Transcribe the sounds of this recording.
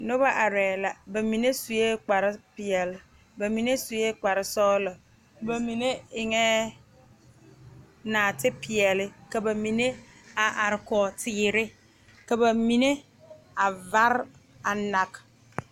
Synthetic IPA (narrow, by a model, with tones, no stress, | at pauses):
no˦ba˦ʔa˨ɾɛː˨la˨ba˨mĩ˨ne˦su˨je˦k͡pa˨ɾɪ˦pɪ˨ɛ˨lɪ˦ | ba˨mĩ˨ne˦su˨je˦k͡pa˨ɾɪ˦sɔː˦lə˨ | ba˨mĩ˨ne˦ɪ˨ŋɛ̃˦ | nãː˨tʰɪ˦pʰɪ˨ɛ˨lɪ˦ka˨ba˨mĩ˨nẽ˦ | a˨ʔa˨ɾɪ˨kɔ˨tʰɪ˨ɾɪ˦ | ka˨ba˨mĩ˨ne˦ | a˨va˦ɾ | a˨na˨k